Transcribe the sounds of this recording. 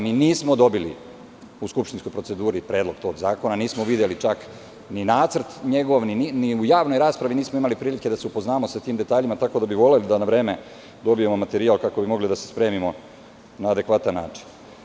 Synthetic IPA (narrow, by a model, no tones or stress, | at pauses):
miniːsmo̞d̪o̞bilḭ | uskupʃt̪inskojpɾo̞t̪se̞d̪uːɾipɾe̞ːd̪lo̞ɡ̥̚t̪o̞ːɡzaːko̞naniːsmoʋid̪jelit͡ʃak | ninaːt̪sr̩t̪ɲe̞ɡo̞ʋnininiujaːʋno̞jɾaːspɾaʋiniːsmoimalipɾiːlike̞d̪aseupo̞znaːmosat̪iːmd̪e̞t̪aːʎimat̪ako̞d̪abiʋo̞le̞lid̪anaʋɾe̞ːme | d̪o̞bijemomat̪e̞ɾialˠkako̞bimo̞ɡlid̪ase̞̥spɾe̞ːmimo̞ | naːd̪e̞kʋat̪anːaːt͡ʃi̥n